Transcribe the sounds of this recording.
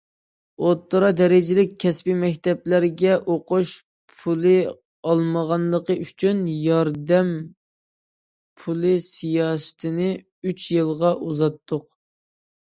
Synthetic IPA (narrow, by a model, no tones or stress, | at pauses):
ot̪ːəɾɑd̪ɛɾɪd͡ʒɪlɪkʲʰːɛspimɛkʲt̪ɛplæɾɡʲɛʔoqʊʃ | pʰulˠɨ | ɑlˠməʁɑnlˠəqəʔyt͡ʃʰynjɑɾd̪ɛm | pʰulˠɨsijɑːsɨ̥t̪ʰɪnɪ | yt͡ʃjɨlˠʁɑʔuzɑt̪ʰːʊq